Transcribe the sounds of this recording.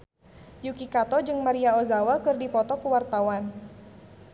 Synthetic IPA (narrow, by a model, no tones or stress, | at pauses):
jukikat̪ɔd͡ʒɨŋmaɾiaozawakɨrdipɔt̪ɔkuwart̪awan